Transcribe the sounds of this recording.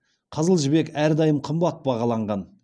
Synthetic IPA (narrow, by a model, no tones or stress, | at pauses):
qʰəzəlˠʒɪbe̞kæɾd̪ɑjəmqʰəmbɑt̪̚bɑʁɑlˠɑɴʁɑn